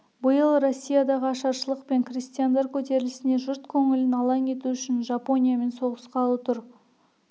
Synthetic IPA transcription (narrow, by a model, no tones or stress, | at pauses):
bʊjəlˠɾo̞sʲːijad̪ɑʁəɑʃɑɾʃəlˠəqpe̞ŋkrʲist̪ijand̪ɑɾkʲʰɵt̪e̞ɾɪlɪsɪne̞ʒʊɾt̪kʲʰɵŋɪlɪnɑlˠɑŋe̞t̪uʏʃɪnʒɑpo̞nʲijame̞nso̞ʁəsqɑlˠut̪ʰʊɾ